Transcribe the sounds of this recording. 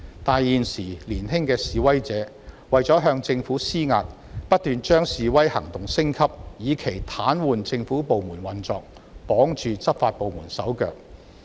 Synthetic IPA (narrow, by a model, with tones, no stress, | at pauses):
t̪aː˨jːiː˨nsiː˨˩liː˨˩nɦɪ˥ŋkɛː˧siː˨wɐ˥jt͡sɛː˨˥ | wɐ˨jt͡sɔː˨˥ɦœː˧ŋt͡sɪ˧ŋfuː˨˥siː˥ŋa̰ː˧t̚pɐ˥t̚t̪yː˨nt͡ʃœː˥ŋsiː˨wɐ˥jhɐ̰˨˩ŋt̪ʊ˨ŋsɪ˥ŋkʰɐ˥p̚jiː˨˧kʰe˨˩jt̪ʰaː˨˥nwuː˨nt͡sɪ˧ŋfuː˨˥po˨wmuː˨˩nwɐ˨nt͡sɔː˧k̚ | pɔː˨˥ŋt͡ʃyː˧t͡sɐ˥p̚faː˧t̚po˨wmuː˨˩nsɐ˨˥wkœ̰ː˧k̚